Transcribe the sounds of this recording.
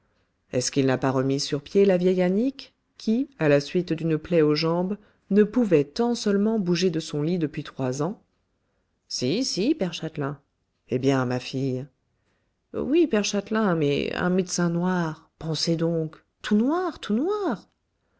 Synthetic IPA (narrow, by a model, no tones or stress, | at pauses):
ɛskilnapaʁəmisyʁpjelavjɛjanik | kʲʰːialasɥit̪d̪ynəplɛoʒɑ̃b | nəpuvɛt̪ɑ̃sœlmɑ̃buʒed̪əsɔ̃lid̪əpɥit̪χwazɑ̃ | sisipɛʁʃat̪lɛ̃ | ebjɛ̃mafij | wipɛʁʃat̪lɛ̃mɛ̰ɛ̰̃mɛd̪sɛ̃nwaʁ | pɑ̃sed̪ɔ̃k | t̪unwaʁt̪ʰunwaʁ